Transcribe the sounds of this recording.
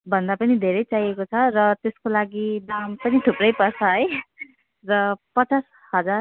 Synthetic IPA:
bʱʌnd̪apʌnid̪ʱeɾʌjt͡sajekot͡sʰʌrʌt̪eskolaɡid̪ampʌnid̪ʱuprʌjpʌrt͡sʰʌɦʌj | rʌpʌt͡sas | hʌd͡zar

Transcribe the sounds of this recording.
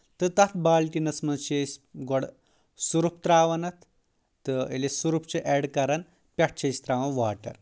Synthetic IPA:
t̪ət̪at̪ʰbaːlʈinɐsmɐt͡ʃesʲɡɔɽ | suɾup̚t̪ɾaːʋɐnɐt̪ː | əḛlesuɾup̚t͡seʔɛɽkɐɾɐn | pʲɐʈ̚t͡ʃest̪ɾaʋɐ̃ʋaʈɐ̰ɾ

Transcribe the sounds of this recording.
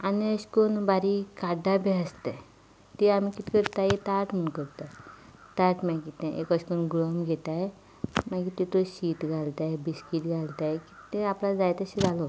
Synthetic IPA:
aniəɕkonbaɾikaɖabeəst̪e | t̪eam̤ikit̪i̥kəɾt̪ajet̪aʈmuɳkəɾt̪aj | t̪aʈmɛ̃kit̪ẽʔekəɕkonɡɭɔmɡʱet̪aj | maɡit̪it̪oɕiːt̪ɡʱalt̪ajbiskiʈ̪ɡʱalt̪ajki̥t̪eaplad͡zajt̪əɕid͡zʱalɔ

